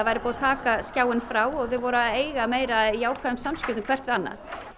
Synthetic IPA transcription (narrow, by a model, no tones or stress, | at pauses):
vajɾɪpɔːat̪ʰaːkascjaːwɪnfɾaːwɔɣθʏvɔɾaeːjɣameːjɾajaːwkʰvaðʏmsamscʏ̥t̪ʏmkʰvɛr̥t̪vɪanːa̰